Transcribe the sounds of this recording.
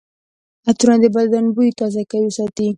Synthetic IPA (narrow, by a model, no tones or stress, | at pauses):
at̪unad̪əbad̪anbujt̪ɑzakajisɑt̪i